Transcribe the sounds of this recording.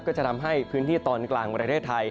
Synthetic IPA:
kɔː˥˩t͡ɕa˨˩t̪ʰa˧mɦa˥˩jpʰɯː˦˥nt̪ʰiː˥˩t̪ɔː˧˩nklaː˨˩ŋpɾa˧t̪ʰeː˥˩t̪ʰːa˧j

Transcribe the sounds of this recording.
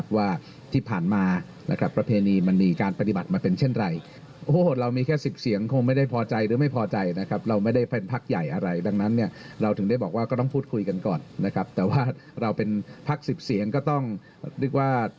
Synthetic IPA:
p̚waː˥˩ | t̪ʰiː˥˩pʰaː˨˩nmaː˧ | na˦˥kʰɾa˦˥pːɾa˧pʰeː˧niː˧ma˧nmiː˧kaː˧npa˧t̪i˨˩ba˨˩t̪̚maː˧pe˧nt͡ɕʰe˥˩nɾa˧j | ʔoː˧˩ɾa˧wmiː˧kʰɛː˥˩si˨˩p̚si˩˦əŋkʰo˧ŋma˥˩jda˥˩jpʰɔː˧t͡ɕa˧jɾɯː˩˦ma˥˩jpʰɔː˧t͡ɕa˧jna˦˥kʰɾa˦˥p̚ɾa˧wma˥˩jda˥˩je˧npʰaː˥˩k̚ja˨˩jʔa˧ɾa˧jda˧ŋna˦˥nːi˥˩ɐ | ɾa˧wt̪ʰɯ˩˦ŋda˥˩jbɔː˨˩k̚waː˥kɔː˥˩t̪ɔ˥˩ŋpʰuː˥˩t̪̚kʰu˧jka˧nkɔː˨˩nːa˦˥kʰa˦˥p̚t̪ɛː˨˩waː˥˩ɾa˧wpe˧npʰa˦˥˩k̚si˨˩p̚si˩˦əŋkɔː˥˩t̪ɔ˥˩ŋ | ɾi˥˩k̚waː˥˩

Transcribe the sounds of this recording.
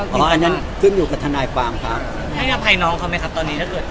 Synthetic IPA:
pʰɔː˨˦ʔa˧nːa˦˥n | kʰɯ˥˩njuː˨˩ka˨˩p̚t̪ʰa˧naː˧jkʰwaː˧mkʰɾa˦˥ | a˥˩ka˦˥˩pʰa˧jnɔː˦˥ŋkʰːma˦˥jkʰa˦˥pt̪ɔː˧nːi˦t̪ʰa˥˩kɤː˨˩t̪̚

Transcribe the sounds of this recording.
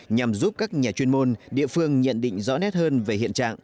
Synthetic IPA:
ɲa˨˩mzu˦˥p̚kaː˦˥k̚ɲaː˨˩t͡ɕwi˧ənmo˧nɗḭ˧˨əfɨ˧əŋɲə̰˧˨nɗḭ̈˧˨ŋ̟zɔ̰˧˥nɛ˦˥t̚həː˧nve˨˩hḭ˧˨ənt͡ɕa̰ː˧˨ŋ

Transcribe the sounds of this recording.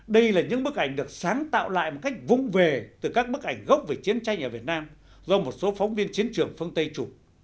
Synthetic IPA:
ɗə˧jlaː˨˩ɲɨ̰˧˥ŋɓɨ˦˥ək̚ʔa˧˩jŋ̟ɗɨ˨˩ək̚saː˨˦ŋt̪a̰ː˧˨wla̰ː˧˨jmo˨˩t̚ka˦˥jk̟̚vʊ̰˧˨ŋ͡mve˨˩t̪ɨ˨˩kaː˦˥k̚ɓɨ˦˥ək̚ʔa˧˩jŋ̟ɣə˦˥wk͡p̚ve˨˩t͡ɕi˨˦ənt͡ɕa˧jŋʔəː˨˩vi˨˩ət̚naː˧m | zɔ˧mo˨˩t̚so˨˦fɔ˨˦wŋ͡mvi˧ənt͡ɕi˨˦ənt͡ɕɨ˨˩əŋfɨ˧ənt̪ə˧jt͡ɕu˨˩

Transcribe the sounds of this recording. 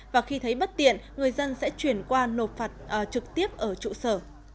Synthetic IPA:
vaː˨˩xi˧t̪ʰə˨˦jɓə˦˥t̚t̪ḭ˧˨ənŋɨ˨˩əjzə˧nsɛ̰˧˥t͡ɕwi˧˩ənkwaː˧no˨˩t̚faː˨˩t̚ʔt͡ɕɨ˨˩k̚t̪i˦˥əp̚ʔəː˧˩t͡ɕṵ˧˨səː˧˩

